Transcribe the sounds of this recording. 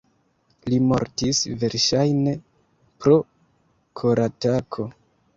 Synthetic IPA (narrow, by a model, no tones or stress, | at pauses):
limo̞̰ɾtisve̞ɾʃajne̞ | pɾo̞ | kʰo̞ɾatakʰo̞